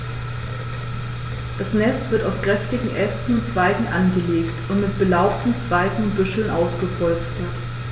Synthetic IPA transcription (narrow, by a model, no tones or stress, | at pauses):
d̥asnɛstv̥ɪɐtaʊskʁ̥ɛftɪɡŋ̩ʔɛstn̩ʊnt͡sv̥aɪɡŋ̩ʔanɡəleːktʊntmɪt̚b̥əlaʊptn̩t͡sv̥aɪɡŋ̩ʊntb̥ʏʃl̩nʔaʊsɡ̥əpʰɔlt͡stət